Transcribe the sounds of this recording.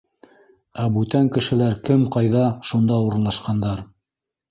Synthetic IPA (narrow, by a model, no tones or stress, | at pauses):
æbʉt̪æŋkɘ̆ʃɘ̆læɾkɘmqɑjðɑʃund̪ɑuɾɤ̆nlˠɑʃqɑnd̪ɑɾ